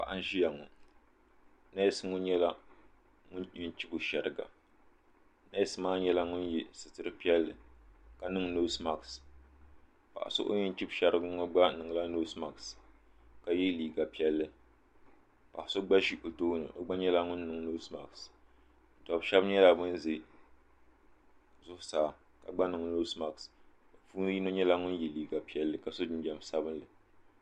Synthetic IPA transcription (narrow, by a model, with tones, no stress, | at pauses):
pa̰˨ʔa˦n˦ʒi˦ja˨ŋɔ̰˨ | na˦jɛ˦sɨ˦ŋʊ˦ɲɛ˦la˦ | ŋʊ˦nɲɪ˦nt͡ʃi˦bʊ˨ʃɛ˨ɾɨ˨ɡa̰˨ | na˦jɛ˦sɨ˦maː˦ɲɛ˦la˦ŋʊ˦nji˦sɨ˨tɨ˦ɾɨ˦pi˦ɛ˦lːɨ˨ka˨nɨ˦ŋno˦sma˨ks | pa̰˨ʔa̰˨sʊ̰˦ʔo̰˦ɲɪ˦nt͡ʃi˦bʃɛ˦ɾɨ˦ɡɨ˦ŋɔ˦ɡ͡ba˦nɨ˨ŋ˨la˦no˦sma˨ks | ka˨ji˦liː˨ɡa˨pi˦ɛ˦lːɨ˦ | pa̰˨ʔa˨so˦ɡ͡ba˦ʃi˦ʔʊ˨toː˦nɨ̰˨ʔo̰˦ɡ͡ba˦ɲɛ˦la˦ŋʊ˦nː˦ɨ˨ŋ˦no˦sma̰˨ks | tɔ˨bʃɛ˦bɲɛ˦la˨bɨ˦nze˨ | zʊ˦hʊ˦saː˨ | ka˨ɡ͡ba˦nɨ˨ŋ˨no˦sma˨ks | o˨fuː˦n˦ji˦no˦ɲɛ˦la˦ŋʊ˦nji˨liː˨ɡa˨pi˦ɛ˦lːɨ˦ka˨so˦dɨ˦nd͡ʒɛ˨m˨sa˦bɨ˦nlɨ˨